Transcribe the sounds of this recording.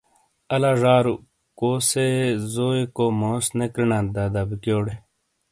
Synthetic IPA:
ɐlaːʐaːɾu | koːsezoːekoːmoːsnekɾinãːd̪ad̪abikjoːɽe

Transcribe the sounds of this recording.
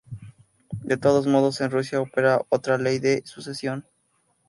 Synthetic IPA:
d̪e̞t̪o̞ð̞o̞zmo̞ð̞o̞se̞nrus̬jaope̞ɾaʔo̞t̪ɾale̞jðe̞susesjo̞n

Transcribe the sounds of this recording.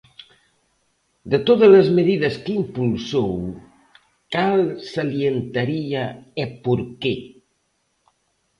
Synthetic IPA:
d̪ət̪oðələzməðiðəskimpulsow | kalˠsaljent̪ɐɾiaepuɾkɛ

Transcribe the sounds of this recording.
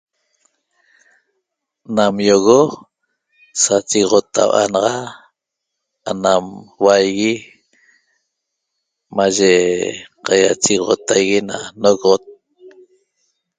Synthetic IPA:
namjoɣo | sat͡ʃiɣʁot̪a̰wʔa̰nɑʁɑ | anamwajɣi | maʒeqɑja̰t͡ʃiɣʁo̰t̪ajɣinanoɣʁot̪̚

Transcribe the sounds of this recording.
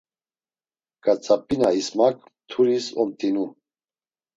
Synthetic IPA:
kʼat͡sʼapʼinaismak | t̪ʰuɾisɔmt̪ʼinu

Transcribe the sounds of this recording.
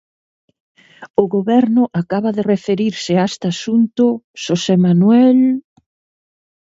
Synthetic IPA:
ʊɣoβɛɾnʊʔakaβɐðerefeɾiɾsɪaest̪asunt̪ʊʃosemanwɛl

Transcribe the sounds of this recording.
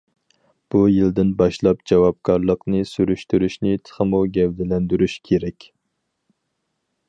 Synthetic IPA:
b̥ujild̪ɪnbɑʃlˠɑpd͡ʒɛwɑp̚kʰɑɾlˠəqnɨsyɾyʃt̪yɾyʃnɪt̪ʰə̥χəmuɡʲɛwd̪ɪlɛnd̪yɾyʃkʲʰeɾɛkʲ

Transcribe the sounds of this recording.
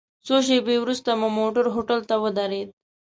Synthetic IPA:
soʃ̬ebewɾust̪amamoʈəɾɦoʈəlt̪awəd̪aɾed̪̚

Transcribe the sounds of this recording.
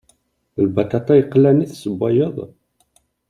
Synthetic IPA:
lbɑt̪ɑt̪ˤɑjəqːlæniθsəbːɑjəðˤ

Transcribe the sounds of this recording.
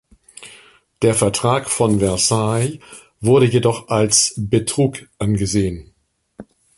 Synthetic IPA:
d̥eːɐfɛɐtʁ̥aːkfɔnvɛɐsaɪ | vʊɐɾəjedɔχʔalsb̥ətʁ̥uːkʔanɡəzeːən

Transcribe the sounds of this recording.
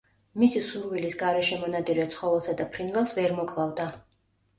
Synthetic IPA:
misisuɾvilisɡaɾɛʃɛmɔnad̪ʼiɾɛt̪sʰχɔvɛlˠsad̪apʰɾinvɛlˠsvɛɾmɔkʼlˠavd̪a

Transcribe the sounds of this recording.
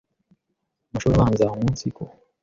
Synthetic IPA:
muʃoβanzaŋunsiko

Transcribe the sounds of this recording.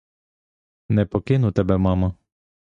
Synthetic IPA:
nɛpɔkɪnʊt̪ɛbɛmɑmɐ

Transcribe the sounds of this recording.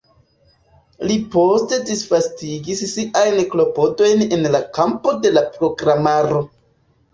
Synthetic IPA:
liposte̞disfastiɡisːiʔajnklo̞po̞do̞jnenlakampo̞de̞lapɾo̞ɡɾamaɾo̞

